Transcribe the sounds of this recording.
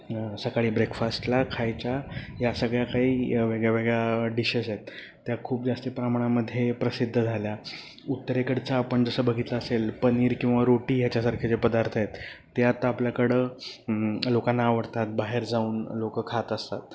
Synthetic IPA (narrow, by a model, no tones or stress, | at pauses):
səkaɭiːbɾekfasʈlakʰajt͡ɕajasəɡɭjakaɦiːʋeɡɭjaʋeɡɭjaɖiɕəset̪ː | jakʰuːp̚d͡zast̪ipɾamaɽ̃aməd̪ʱːjepɾəsid̪ʱːəd͡zʱalja | ut̪ːəɾekəɽt͡saːpəɳd͡zəsəːbəɡʱit̪laəselpəniːɾkĩw̃ʋaɾoʈiːɦjat͡ɕjasaɾkʰjat͡sepəd̪aɾt̪ʰjet̪ː | jat̪apljakəɽə | lokanːaːʋəɽt̪at̪̚baɦeɾd͡zauːnlokəkʰat̪əst̪a̰t̪̚